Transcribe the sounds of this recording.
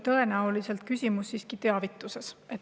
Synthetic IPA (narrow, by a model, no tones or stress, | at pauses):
t̪ɤ̞e̞næolise̞lt̪̚kysʲimusːiːskit̪e̞ɑvit̪ːˑuse̞se̞t̪